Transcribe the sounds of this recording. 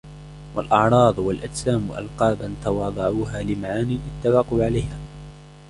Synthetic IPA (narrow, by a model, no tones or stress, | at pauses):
walʔɑʕɾˤɑːðˤwalʔad͡ʒsaːmʔa̰lqɑːbant̪ɑwɑːd̪ˤɑʕuːɦaːlɪmaʕaːniːʔɪt̪ːafɑquʕalajhaː